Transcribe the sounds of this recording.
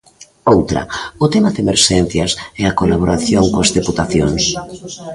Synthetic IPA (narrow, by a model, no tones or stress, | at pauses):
owt̪ɾɐ̰ʊt̪ɛmaðemeɾʃɛn̟θjɐsɛakolaβ̞oɾaθjoŋkoazðeput̪aθjoŋs